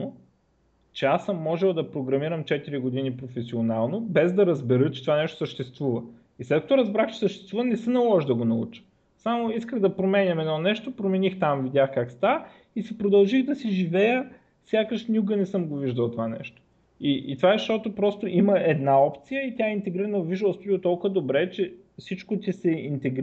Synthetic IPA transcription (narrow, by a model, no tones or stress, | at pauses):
no | t͡ʃɛasːəmːɔʒɛlˠd̪ɐpɾoɡɾɐmiɾəmt͡ʃɛt̪iɾiɡod̪inipɾofɛsionalˠnobɛzd̪ɐɾɐzbɛɾət͡ʃɛ̥t̪ovanɛʃt̪o̥səʃt̪ɛst̪vuvə | islɛt̪̚kɐt̪oɾɐzbɾaxt͡ʃɛ̥səʃt̪ɛ̥st̪vuvənɛsənɐlˠɔʒd̪ɐɡonɐṵt͡ʃə̥ | samoiskəɣd̪ɐpɾomɛnʲɐmɛnɔnɛʃt̪opɾomɛnixt̪amvid̪ʲjaxkakst̪avə | isipɾod̪ɐlˠʒiɣd̪ɐsiʒivɛjə | fsʲjakəʃnʲjuɡənɛsɤmɡoviʒd̪əlˠt̪ovanɛ̰ʃt̪o̥ | iʔt̪ovaʃt̪ɔt̪opɾɔst̪oʔiməʔɛd̪naɔpt̪sijəit̪ʲaɛint̪ɛɡɾiɾənəviʒd̪əlˠspod̪it̪ɔlˠkəd̪obɾɛt͡ʃɛ | fsit͡ʃkot̪ʲisɛint̪ɛɡɾ